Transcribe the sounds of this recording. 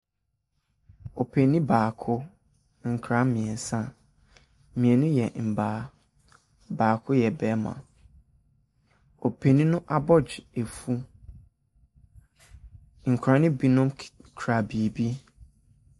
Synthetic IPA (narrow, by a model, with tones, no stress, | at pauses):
o˨pʰe˨nĩ˦baː˨kʰʊ˦ | ŋ̩˨kʰɾã˨˦mĩ˨ɛ˨n˨sã˦˨ | mĩ˨ɛ̃˨nʊ̃˦jɛ˨m̩˨baː˨˦ | baː˨kʰʊ˦jɛ˨bɛː˦mã̰˨ | o˨pʰe˨nĩ˦nʊ̃˦ʔa˦˨bɔ˦d͡ʑɪ˨e˨fu˦ | ŋ̩˨kʰɾã˨˦nɪ̃˦bi˦nʊ̃˦mkʰɾa˨bi˨e˨bi˦